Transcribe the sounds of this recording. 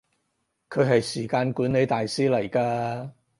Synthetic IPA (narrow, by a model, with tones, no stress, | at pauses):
kʰɵ˨˧ɥɦɐ˨jsiː˨˩kaː˧nkuː˨˥ne˨˧jt̪aː˨jsiː˥lɐ˨˩jkaː˧